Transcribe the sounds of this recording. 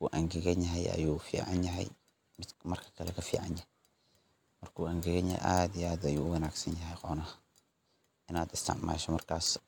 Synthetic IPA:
kuʔɐŋɡɛɣɐnjɐɦɛjɐ̰juːfḭːʕanjɐɦɛ̰j | mɪd̪mɐrkʰɐ̥kʰɐlɛkʰɐfḭːʕanjɐh | mɐrkʰuːaŋɡɛɣɐɲɐhɛ̰ʔaːd̪ijaːd̪ɐjuːʊwɐnaːɡsɐnjɐɦɛjqɔnɐh | ʔɪnaːd̪ɪst̪ʰɪ̰ʕma̰ːʃɐmɐrkʰaːs

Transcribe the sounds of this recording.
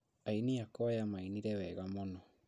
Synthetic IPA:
ainiakɔjamainiɾɛwɛɣamɔnɔ

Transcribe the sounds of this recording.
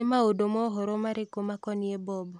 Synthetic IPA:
emaodomɔɦɔɾomaɾekomakɔniebɔb

